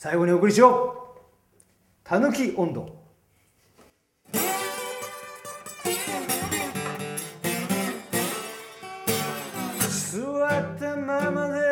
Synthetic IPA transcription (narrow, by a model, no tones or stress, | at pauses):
saiɡo̞ɲ̟iokɯ̟ɾʲiɕio | t̪ʰanɯkʲiʔõnd̪o̰ | sɨwat̪ːemamaze